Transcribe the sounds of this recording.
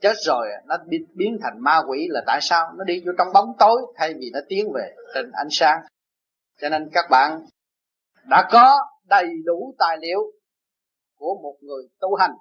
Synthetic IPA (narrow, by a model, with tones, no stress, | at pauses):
t͡ɕe˦˥t̚zo˨˩jnɔ˨˦ɓi˧˦ɓi˨˦ənt̪ʰa˨˩jŋ̟maː˧kwi˧˩laː˨˩t̪a̰ː˧˨jsaː˧wnɔ˨˦ɗi˧zu˧t͡ɕɔ˧wŋ͡mɓa˨˦wŋ͡mt̪o˨˦jt̪ʰa˧jvi˨˩nɔ˨˦t̪i˨˦ənve˨˩t͡ɕə˨˩nʔa˧jŋ̟saː˧ŋ | t͡ɕɔ˧ne˧nkaː˦˥k̚ɓa̰ː˧˨n | ɗa̰ː˧˥kɔ˨˦ | ɗə˨˩jɗu˧˩t̪a̰ː˧˨jlḭ˧˨əw | ku˧˩əmo˨˩t̚ŋɨ˨˩əjt̪u˧˩ɦa˨˩jŋ̟